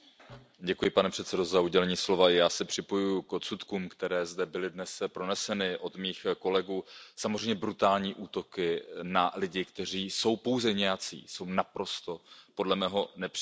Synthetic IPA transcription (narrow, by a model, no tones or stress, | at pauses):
ɟɛkujɪpanɛpr̝̥ɛt̪sɛdo̞zauɟɛlɛɲiːslo̞vajaːsɛpr̝̥ɪpo̞jujʊkʔot̪sut̪kuːmkt̪ɛɾɛːzdɛbɪlɪdnɛspɾo̞nɛsɛnɪʔo̞d̪miːxko̞lɛɡuːsamozr̝ɛjɲɛbɾut̪aːlɲiːʔuːt̪o̞kɪnalɪɟɪkt̪ɛr̝iːso̞wpo̞wzɛɲɛjat͡sḭːso̞wnapɾo̞st̪o̞po̞dlɛmɛːɦo̞nɛpr̥